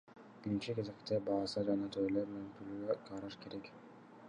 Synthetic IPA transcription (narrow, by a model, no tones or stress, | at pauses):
b̥iɾint͡ʃike̞ze̞kt̪ebɑːsɑd͡ʒɑnɑt̪ʰøjløɾmenemt̪yɾlyɡøqʰɑɾɑʃke̞ɾe̞k